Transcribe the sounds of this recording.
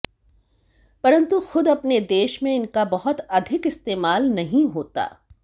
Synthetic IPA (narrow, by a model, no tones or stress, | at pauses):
pɐɾə̃nt̪uxʊd̪ɐpned̪eːʃmẽɪnkabɐɦʊt̪ɐd̪ʱɪkɪst̪eːmaːlnɐɦĩɦoːt̪a̰ː